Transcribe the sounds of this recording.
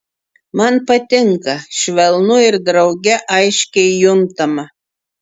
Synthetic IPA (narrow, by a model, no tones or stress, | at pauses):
mɑnpɐt̪ʲɪŋkɐʃʲʋʲɛlˠnuɪɾd̪ɾɐwɡʲɛʔɑjʃʲkʲɛjʊmt̪ɐmɑ